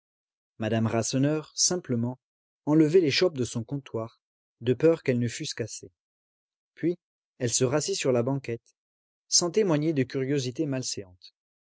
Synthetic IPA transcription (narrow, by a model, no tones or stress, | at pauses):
mad̪amʁasɔnœʁsɛ̃pləmɑ̃ | ɑ̃ləvɛleʃɔp̚d̪əsɔ̃kɔ̃t̪waʁ | d̪əpœʁkɛlnəfyskase | pɥi | ɛlsəʁasisyʁlabɑ̃kʲɛt̪ | sɑ̃t̪emwaɲed̪əkʲyʁjozit̪emalseɑ̃t̪